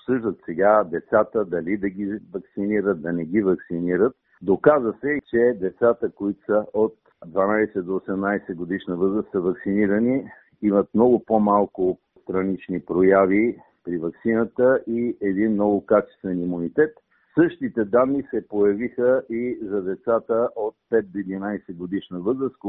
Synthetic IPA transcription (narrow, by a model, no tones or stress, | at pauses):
opsɤʒd̪ət̪sɛɡad̪ɛt̪sat̪əd̪ɐlid̪ɐɡivɐksiniɾət̪̚d̪ɐnɛɡivɐksiniɾət̪̚ | d̪okazəsɛt͡ʃɛd̪ɛt̪sat̪əkoit̪ʊ̥səʔot̪ | d̪vanajsɛd̪oːsɛmnajsɛɡod̪iʃnəvɤzɾəsəvɐksiniɾəni | imət̪mnɔɡʊpomalˠkʊ | st̪ɾɐnit͡ʃnipɾojavi | pɾivɐksinət̪əʔiɛd̪inmnɔɡʊkat͡ʃɛ̥st̪vɛnimunit̪ɛt̪ | sɤʃt̪it̪ɛd̪anːisɛpojɐvixəizɐd̪ɛt̪sat̪əʔot̪̚pɛt̪̚d̪oid̪inajsɛɡod̪iʃnəvɤzɾəsk